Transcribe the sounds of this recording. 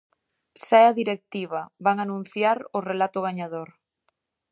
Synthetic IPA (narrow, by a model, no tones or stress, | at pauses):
sɛaðiɾek̚t̪iβ̞ɐβaŋanũn̟θjaɾʊrelat̪ʊɣ̞aɲaðoɾ